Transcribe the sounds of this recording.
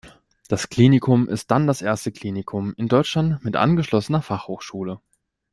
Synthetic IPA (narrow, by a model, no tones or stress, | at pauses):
d̥askl̥iːnɪkʰʊmʔɪ̰st̚d̥andasʔeːɐstəkl̥iːnɪkʰʊmɪndɔʏt͡ʃlantmɪtʔa̰nɡəʃlɔsənɐfaχhoːxʃuːlə